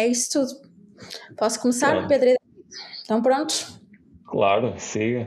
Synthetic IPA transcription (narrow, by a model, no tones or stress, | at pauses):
ɛisu̥t̪uðu | pɔsu̥kumɨsaɾpeðɾiẽnt̪ɐ̃w̃pɾõnt̪u̥ | klˠa̰ɾʊsĩ